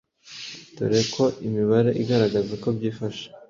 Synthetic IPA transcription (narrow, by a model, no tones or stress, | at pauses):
tṵɾe̞kʰo̞ʔimiβaɾe̞ʔiɡaɾaɡazeko̞bɟiːfaʃe̥